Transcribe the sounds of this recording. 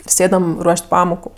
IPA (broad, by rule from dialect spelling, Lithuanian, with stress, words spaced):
ɪr ˈsʲeːdɐm ˈruɔʃʲtʲ ˈpɑːmoːkʊ